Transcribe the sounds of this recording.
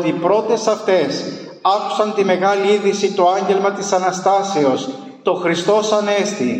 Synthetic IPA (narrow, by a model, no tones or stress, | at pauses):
t̪ipɾo̞t̪e̞sɐft̪e̞s | ɐku̥sɐnt̪ime̞ɣɐliiðisit̪o̞ɐɲɟe̞lmɐt̪isɐnɐst̪ɐse̞o̞s | t̪o̞xɾist̪o̞sɐne̞st̪i